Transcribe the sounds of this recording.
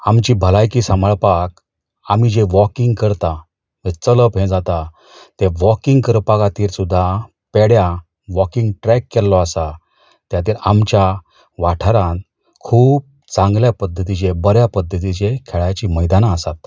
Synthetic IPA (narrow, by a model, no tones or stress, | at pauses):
amt͡ɕibʱəlajkiːsaməɭpak̚ | amid͡ʑeʋɔkiŋɡkəɾt̪a | mət͡sələpɦẽd͡zat̪a | t̪eʋɔkiŋɡkəɾpakat̪iːɾsud̪ʱːa | pɛɽja | ʋɔkiŋɡʈɾɛkːɛllɔasa | t̪jat̪iːɾamt͡ɕja | ʋaʈʰəɾãn | kʰuːp̚ | t͡sãŋɡljapəd̪ʱːət̪it͡ɕebəɾjapəd̪ʱːət̪̬it͡ɕekʰɛɭajt͡ɕiməjd̪anaəsat̪